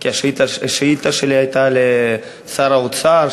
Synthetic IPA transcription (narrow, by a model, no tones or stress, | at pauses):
kʲaʃit̪aeʃit̪aʃileajt̪ale | saɾaut̪saɾ